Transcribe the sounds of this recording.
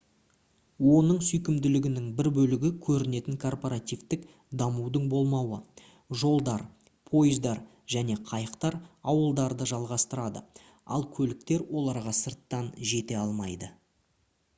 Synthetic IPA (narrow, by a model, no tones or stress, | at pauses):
wo̞nəɴsʏjkʲɪmd̪ɪlɪɡʲɪnɪŋbɪɾbɵlɪɡʲɪkʲʰɵɾɪne̞t̪ɪŋkʰo̞rpo̞ɾat̪ijvt̪ɪk | d̪ɑmuwd̪əɴbo̞lˠmɑwə | ʒo̞lˠd̪ɑɾ | pʰo̞jɪzd̪ɑɾ | ʒ̥æne̞qʰɑjəqt̪ɑɾɑwəlˠd̪ɑɾd̪əʒɑlˠʁɑst̪əɾɑd̪ə̰ | ɑ̰lˠkʲʰɵlɪkt̪e̞ɾwo̞lˠɑɾʁɑsəɾt̪ːɑnʒe̞t̪e̞ɑlˠmɑjd̪ə